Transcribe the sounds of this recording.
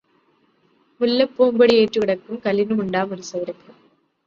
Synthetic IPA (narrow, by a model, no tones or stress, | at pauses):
ʊlːɐpːoːmbɐɽieːʈrɯʋɪɽɐkːɯmkɐlːɪnɯʊɳɖaːmʊɾɯsɐʋɪɾɐkːɯ